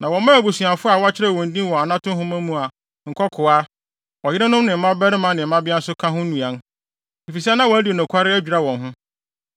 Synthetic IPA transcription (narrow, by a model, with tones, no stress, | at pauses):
nã˨wɔ̃˨˦mã˦æ˨bu˨su˨ã˨fʊ˦a˨wɔ˦a˦t͡ɕʰɪ˦ɾɛ˦˨wɔ̃˨n̩˨dĩ˦wɔ̃˨a˨nã˦tʊ̃˦ɦʊ̃˦mã˦mũ˦a˨ | ŋ̩˨kʰɔ˦kʰʊ˨a˦ | ɔ˨jɪ˦ɾɪ˦nʊ̃˦mnɪ̃˨m̩˦mã˦bɛ˦ɾɪ˦mã˦nɪ̃˨m̩˦mã˦bɪ˦a˦n̩˦sʊ˦kʰã˦ɦʊ̃˦nũ˨ã˨n | i˨fi˨s̬ɛ˦nã˦wɔ˨æ˦di˨nʊ̃˨kʷʰa˦ɾɪ˦æ˦d͡ʑᶣɾa˦wɔ̃˨nɦʊ̃˦